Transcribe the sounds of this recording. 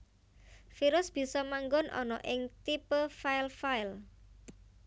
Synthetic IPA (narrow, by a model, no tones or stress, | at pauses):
fiɾʊsb̥i̤sɔmaŋɡɔnʔɔ̰nɔ̰ʔɪŋt̪ipəfaɪlfaɪl